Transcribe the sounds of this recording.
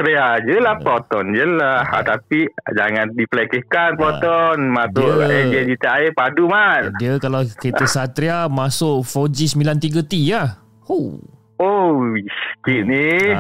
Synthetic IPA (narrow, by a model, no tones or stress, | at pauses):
t̪ɾead͡ʒəlahpɔt̪ɔnd͡ʒəlaht̪apid͡ʒaŋandipəlɛkɛhkanpɔt̪ɔnmasʊʔed͡ʒiəd͡ʒit̪əaepadumat̪diəkalawkitəsat̪ɾiamasʊʔfod͡ʒisəmilant̪iɡət̪ija | o | oiskiʔ̚ni